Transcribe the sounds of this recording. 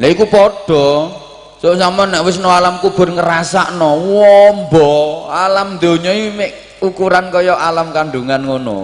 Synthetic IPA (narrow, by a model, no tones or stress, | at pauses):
laikupɔɖ̥ɔ̤ | soʔsamanaʔwɪs̬noalamkub̥ʊ̤rŋəɾasaʔnɔwɔmbɔalamnd̪o̤ɲɔmɪʔ | ukuɾankɔjɔʔalamkanɖuŋanŋono̰